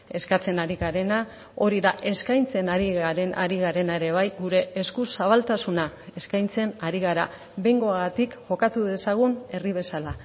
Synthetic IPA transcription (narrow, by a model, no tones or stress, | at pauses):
e̞skat͡se̞naɾiɣaɾe̞na | o̞ɾiðaʔe̞skajnt͡se̞naɾiɣaɾe̞naɾiɣ̞aɾe̞nae̞ɾe̞β̞ajɣuɾe̞ːskusaβalt̪asunae̞skajnt͡se̞naɾiɣ̞aɾa | βe̞jŋɡo̞aɣat̪ikʝo̞kat̪uðe̞saɣ̞une̞riβ̞e̞sala